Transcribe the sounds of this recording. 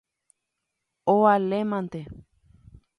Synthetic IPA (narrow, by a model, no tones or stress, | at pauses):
oalemãnt̪e